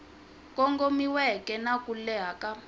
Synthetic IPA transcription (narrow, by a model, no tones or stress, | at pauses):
kʼɔŋɡomiwɛkɛnakulɛɦaka